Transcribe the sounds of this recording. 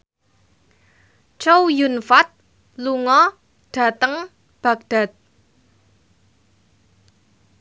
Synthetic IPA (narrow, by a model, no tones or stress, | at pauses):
t͡ʃowjunfat̪̚ | luŋɔ | ɖ̥a̤t̪əŋ | b̥ä̤k̚d̥a̤t̪̚